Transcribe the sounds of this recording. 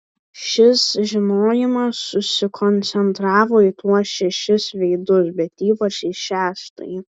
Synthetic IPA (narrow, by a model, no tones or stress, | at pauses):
ʃʲɪsʒʲɪnoːjɪmɐssʊsʲɪkʰonʲsʲɛnt̪ɾɑːʋoːɪt̪uɔsʃʲɛʃʲɪsʋʲɛɪd̪ʊsbʲɛt̪iːpɐt͡ʃɪʃʲæːʃt̪ɐ̰jɪ